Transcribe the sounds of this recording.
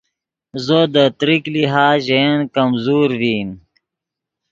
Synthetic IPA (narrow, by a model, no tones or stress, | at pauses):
zod̪ət̪ɾikliɦaːʑenkɐmzuːɾviːm